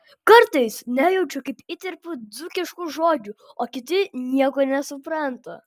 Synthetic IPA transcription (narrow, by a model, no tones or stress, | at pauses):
kɐɾt̪ɐɪsnʲæːjɛʊt͡ʃʲʊkɐɪpit̪ʲɛɾpʊd̪d͡zzʊkʲɪʃkuːʒoːd͡ʒʲuːoːkʲɪt̪ʲɪnʲiɛkoːnʲɛsʊpɾɐnt̪ɐ